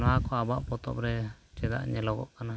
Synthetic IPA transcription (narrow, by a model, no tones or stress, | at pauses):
nɔakɔabaʔpɔt̪ɔ̰pɾɛt͡ʃɛd̪a̰ʔɲɛlɔɡɔ̰ʔkana